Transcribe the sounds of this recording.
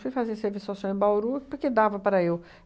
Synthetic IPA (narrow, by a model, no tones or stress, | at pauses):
fujfaziɐseɾvisasõẽbawɾupʊɾked̪avɐpaɾɐew